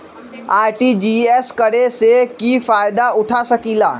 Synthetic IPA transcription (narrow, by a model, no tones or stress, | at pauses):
aːɪʈid͡ʑieːskɐɽesekiːfaːɪd̪aʊʈʰasɐkilaː